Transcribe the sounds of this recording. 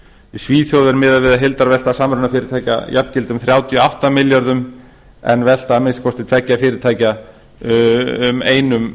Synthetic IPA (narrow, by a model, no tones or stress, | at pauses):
ɪsviːθjowðʏɾmɪːðavɪðaɦelt̪aɾvɛl̥t̪asaːmɾʏnːafɪːɾɪɾt̪ʰaːjca̰jʔap̪cɪlt̪ʏmθɾjaːwt̪ʰjɔawht̪amɪljaɾðʏm | ɛ̰nːvɛl̥t̪aːmɪskʰɔst̪ɪt̪ʰvɛcːafɪːɾɪɾt̪ʰaːjca | meːjnʏm